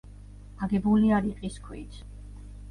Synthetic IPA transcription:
aɡɛbuliaɾiqʼiskʰwḭt̪ʰ

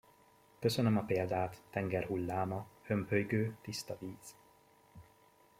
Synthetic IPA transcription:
kø̞sønømɒpeːld̪aːt̪ːɛŋɡɛrɦulːaːmɒhø̞mhøjɡøːt̪ist̪ɒviːz̥

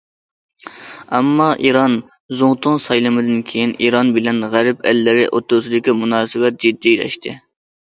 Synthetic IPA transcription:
ɛmːɑʔiɾɑn | zoŋt̪ʰʊŋsɑjlˠɨmɨd̪ɪnkʲʰejinʔiɾɑnbɪlɛnʁæɾɪpɛ̰lːɪɾɪʔot̪ːʊsɨd̪ɪkʲimunɑːsɨwɛt̪̚d͡ʒid̪ːilɛ̰ʃt̪ʰɪ̰

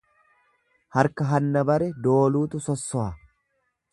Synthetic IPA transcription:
hɐɾkɐɦɐnːɐbɐɾɛd̪o̞ːluːt̪ʊsɔsːɔɐ

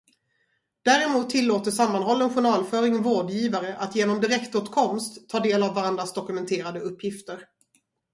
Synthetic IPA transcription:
d̪̥æːɾɪmuːt̪ʰːɪlːoːt̪əsamːanɦɔlːənɧʊɳɑːlfœːɾɪŋvoːɖjiːvaɾəʔat̪jeːnɔmd̪ɪɾɛkt̪oːt̪kʰɔmst̪ʰːɑːɖeːlavːaɾand̪ɾasd̪ɔkɵmɛnt̪ʰeːɾad̪əɵpːjɪft̪əɾ

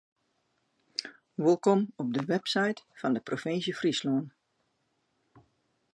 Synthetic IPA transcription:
ʋolˠkomɔb̚dəʋɛpsɛjtfɑndəprofɪnsjəfrisloən

